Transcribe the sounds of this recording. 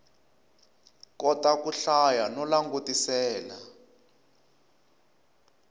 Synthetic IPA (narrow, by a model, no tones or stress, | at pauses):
kɔtakuɬajanɔlaŋɡotisɛːla